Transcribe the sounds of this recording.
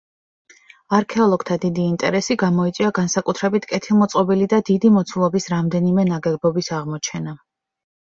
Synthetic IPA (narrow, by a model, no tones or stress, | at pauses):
aɾkʰɛɔlˠɔɡ̥t̪ʰad̪id̪iːnt̪ʼɛ̰ɾɛsiɡamɔit̪sʼiaɡansakʼut̪ʰɾɛbit̪ʰkʼɛt̪ʰilˠmɔt̪sʼqʼɔbilid̪ad̪id̪imɔt̪sʰulˠɔbisɾamd̪ɛnimɛnaɡɛbɔbisaʁmɔt͡ʃʰɛna